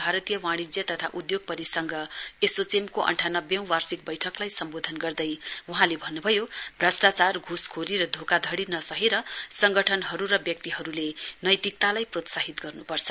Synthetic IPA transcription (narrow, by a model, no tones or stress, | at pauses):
bʱaɾʌt̪ijʌwaɽ̃id͡zjʌt̪ʌt̪ʰaʔud̪joɡ̚pʌɾisʌŋɡʌesot͡semkoʔʌ̰ɳʈʰanʌbjʌ̃w̃warsik̚bʌjʈʰʌklajsʌmbod̪ʱʌnɡʌrd̪ʌjuɦãlebʱʌnːubʱʌjob̥rasʈat͡sarɡʱuskʰoɾiɾʌd̪ʱokad̪ʱʌɽinʌsʌɦeɾʌsʌŋɡʌʈʰʌnɦʌɾuɾʌbjʌk̚t̪iɦʌɾulenʌjt̪ik̚t̪alajprot̪saɦit̪ɡʌrnupʌrt͡sʰʌ̥